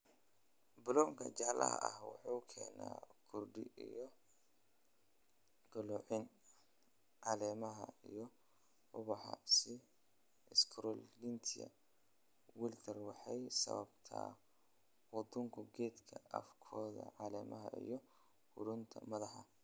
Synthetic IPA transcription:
bʊlɔːŋkʰɐt͡ʃaʕlʔɐ̰ɦɐ̰ʔɐhwɑ̰ħukʰɛːnaːkʰʊrɖɪʔijɔ | ɡ̥ɐlɔʕɪn | ʕɑlɛːmɐɦɐ̰ijɔ | ʊβɑħɑ̰sɪ | ɪskʰɾɔllint̪ʰɪjɐ̰ | wɪlt̪ʰɐrwɑħɑjsɐ̰βɐbt̪ʰa̰ː | wɑd̪ʊŋkʰʊɡɛːd̪kʰɐɐfkʰɔːðɐ̰ʕɑlɛːmɐɦɐijɔ | hʊɾʊnt̪ʰɐmɐðɑħɑ

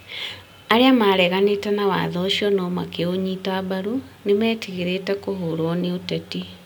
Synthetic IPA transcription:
aɾeamaɾɛɣanetɛnawa̰ːðɔʃiɔnɔma̰keoɲiːtaabaɾunemɛːtiɣeɾetɛkoɦoɾwɔneotɛti

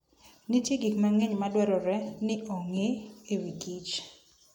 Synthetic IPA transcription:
nɪtjeɡikmaŋeɲmadwɛɾɔɾɛnɪʔoŋeewikit͡ʃ

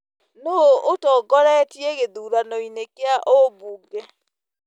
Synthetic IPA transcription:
nootɔːɡɔɾɛtjeɣeðuːɾanɔinekeaʔobuɡɛ

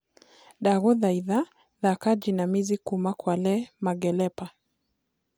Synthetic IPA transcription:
ɗaɣɔðaiða | ðakad͡ʒinamizikumakwalɛmaɡɛlɛpa

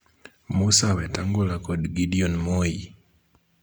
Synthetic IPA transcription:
musawetaŋɡulakodɡidionmoji

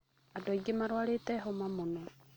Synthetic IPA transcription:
adɔiɡemaɾwaletɛɦomamonɔ

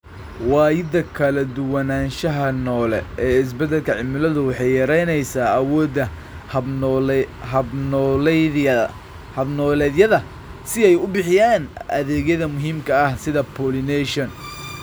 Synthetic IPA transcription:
wɑːjɪd̪ɐkʰɐlɐd̪ʊwɐnaːnʃɐɦɐnɔːlɛɛːɪs̬bɐd̪ːɛlkʰɐʕɪmɪlɐðʊwɑħɑjjɐɾɛjnɛjsaːɐwɔːd̪ːɐ | nːl | hɐbnɔːlɛːðjɐðɐ | sɪɛjʊbɪħɪjaːnʔɐ̰ðɛːɣɐðɐmʊɦiːmkʰɐɐhsɪðɐpʰɔːlɪnɛʃɔn

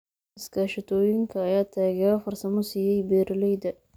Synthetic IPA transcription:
ɪskʰaːʃɪt̪ʰɔːjɪŋkʰɐːjaːt̪ʰaːɣɛɐfɐrsɐmɔsiːjɛjbɛːɾɐlɛjd̪ɐ

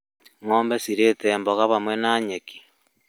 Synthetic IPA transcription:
ŋoːmbesiɾeːteːmboɣaβamwenaːɲeki̥

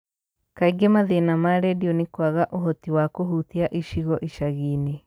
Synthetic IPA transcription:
kaiɡemaðenamaɾɛdiɔnikwaɣaʔoɦɔtiwakoɦuθiaʔiʃiɣɔʔiʃaɣine

